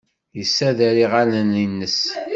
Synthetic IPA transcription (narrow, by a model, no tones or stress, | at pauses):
jəsːæðæɾiʁaləninːəs